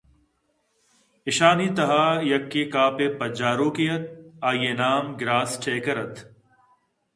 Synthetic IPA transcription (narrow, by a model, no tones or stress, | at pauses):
ɪʃaːniːt̪ɐɦaːjɐkːeːkaːpeːpɐd͡ʒaːɾoːkijɐt̪̚aːjeːnaːmɡɾaːsʈʰeːkɐɾɐt̪ʰ